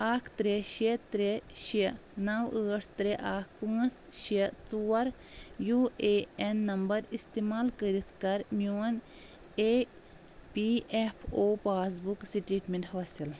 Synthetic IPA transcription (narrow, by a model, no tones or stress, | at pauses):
aːkʰt̪ɾeʃit̪ɾeʃinɐwəːʈʰt̪ɾeʔaːkʰpə̃ːsʃit͡suːɐɾ | juːeːenːɐmbɐɾist̪emaːlkəɾit̪ʰkɐɾmuːɐn | e | piepʰoːpaːs̬buksiʈiːʈmʲeɳʈɦasil